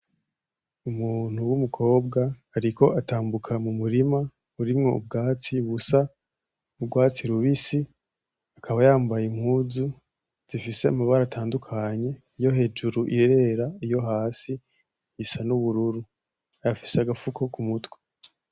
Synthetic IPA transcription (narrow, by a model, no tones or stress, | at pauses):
umuːn̥huwumukʰo̞ːb̚ɡahːɾiko̞ʔataːmbukʰamumuɾima | βuɾimŋo̞̰ṵb̚ɡaːt͡siβusa | ubɡwaːt͡siɾuβisi | akʰaβajaːmbajemhuzu | z̥ifise̞amaβaɾaːtʰaːndukʰaɲe̞ | ijo̞ɦe̞ːd͡ʒuɾuʔiɾe̞ːɾaijo̞ɦaːsi | isanuβuɾuɾu | ajafiseaɡafukʰo̞kumutwe̥